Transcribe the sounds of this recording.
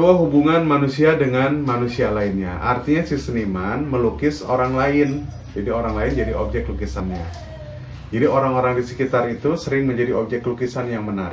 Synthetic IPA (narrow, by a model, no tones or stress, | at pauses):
waɦubuŋanmanusiadəŋanmanusialainɲa̰ʔart̪iɲasisənimanməlukɪsoɾaŋlaɪn | d͡ʒadioɾaŋlaɪnd͡ʒadiʔob̚d͡ʒɛk̚t̪lukisanɲa | d͡ʒadiʔoɾaŋoɾaŋdisə̥kit̪arit̪usəɾɪŋməɲd͡ʒadiop̚d͡ʒɛk̚t̪lukisanjaŋmənaɾ